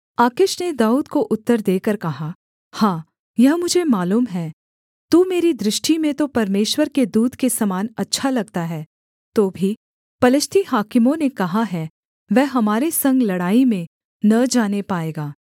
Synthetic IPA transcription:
aːkɪʃned̪aːuːd̪koʔʊt̪ːəɾd̪eːkəɾkɐɦa | hãː | jɐɦmʊd͡ʒʱemaːluːmɦɛː | t̪uːmeːɾid̪ɾɪʃʈimẽt̪opɐɾmeːʃwəɾked̪uːd̪kesɐmaːnɐtːʃʰalɐɡ̚t̪aɦɛː | t̪oːbʱi | pɐlɪst̪ʰihaːkɪmõnekɐɦaɦɛː | ʋɛːɦɐmaːɾesɐ̃ŋɡlɐɽaːimẽ | nɐd͡ʒaːnepaːeːɡaː

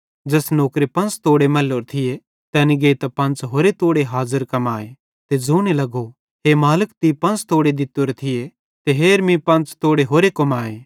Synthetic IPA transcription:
d͡ʒɐːsnoːkɾepɐ̃nt͡st̪oːɽemɐloːɾt̪ʰɪje | t̪ɛːniɡeːit̪ɐpɐ̃nt͡ʃɦoːɾet̪oːɽeɦaːzəɾkɐmaːe | t̪ed͡zoːnelɐɡo | ɦemaːləkt̪ipɐ̃nt͡st̪oːɽed̪ɪt̪ːoɾet̪ʰɪje | t̪eɦeːɾmĩpɐ̃nt͡st̪oːɽeɦoːɾekɐmaːeː

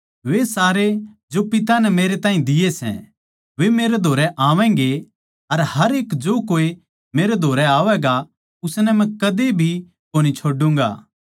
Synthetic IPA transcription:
ʋesaːɾe | d͡ʒopɪt̪̬anɛmeːɾet̪aːɦĩd̪ɪjesɛ̰̃ | ʋemeːɾed̪ʱoːɾɛʔaːʋɛ̃ːŋɡe | ɐɾhɐɾeːkd͡ʒoːkoːi | meːɾed̪ʱoːɾɛaːʋɛːɡa | ʊsnɛmɛ̃kɐd̪ebʱi | koːñit͡ʃʰoːɖũːŋɡa̰ː

